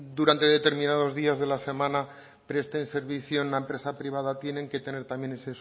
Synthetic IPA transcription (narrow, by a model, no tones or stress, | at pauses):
d̪uɾant̪e̞ðe̞t̪e̞ɾmĩnað̞o̞zðiazðe̞lase̞mãna | pɾe̞st̪ense̞ɾβiθjonlaempɾe̞sapɾiβ̞aðat̪je̞nẽ̞ŋke̞t̪e̞ne̞ɾt̪amje̞ne̞ses